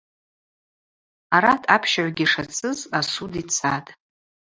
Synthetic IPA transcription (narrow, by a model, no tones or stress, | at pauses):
aɾatʰapʰʃaʕʷaɡʲiʂat͡sʰɨzasudit͡sʰatʼ